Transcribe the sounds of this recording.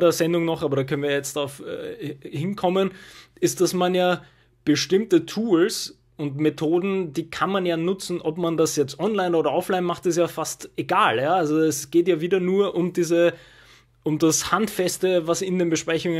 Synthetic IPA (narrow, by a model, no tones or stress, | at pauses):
dəɐzɛndʊŋnɔχʔaːbɐɾaːkʰœnənviːɐjɛt͡std̥ʁaʊfɛ̰hɪnkʰɔmənɪst̚d̥asmanjaː | b̥əʃtɪmtətʰuːls | ʊntmetʰoːdn̩d̥iːkʰanmanjaːnʊt͡sn̩ʔɔpmandasjɛt͡stʔɔnlaɪnoːɾɐʔɔflaɪnmaχtɪs̬jaːfasteɡaːljaːalzoɛsɡ̥eːtjaːviːdɐnuːɐʔʊmdiːzə | ʔʊmdashantfɛstəvasɪndeːnbəʃpʁ̥ɛçʊŋə